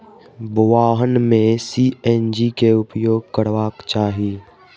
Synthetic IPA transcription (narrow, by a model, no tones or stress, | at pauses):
bʊʋaːɦənmẽsiːeːnd͡ʒikeʊpjoːɡ̚kəɽʋaːkt͡ʃaːɦiː